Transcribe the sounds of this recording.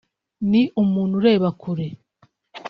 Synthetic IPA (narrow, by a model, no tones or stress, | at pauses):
niʔumuːn̥huɾe̞ːβakʰuɾe